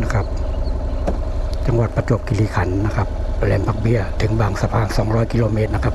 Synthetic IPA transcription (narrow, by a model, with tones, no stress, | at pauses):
na˧kʰa˦˥p̚ | t͡ɕa˧ŋwa˨˩t̪̚pa˧t͡ɕo˨˩p̚ki˧liː˧˩kʰa˩˦nːa˧kʰa˦˥p̚lɛː˧˩mba˧k̚bi˧˩ɐt̪ʰɯ˩˦ŋbaː˨˩ŋsa˧pʰaː˧˩nsɔː˩˦ŋɾɔː˦˥˩jki˧loː˧˩meː˧˥t̪̚na˧kʰa˦˧˥p̚